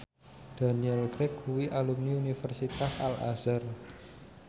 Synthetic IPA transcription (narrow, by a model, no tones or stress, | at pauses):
d̪̥a̤niɛlkɾɪkuwiʔalumniunifɛrsit̪asa̰la̰zər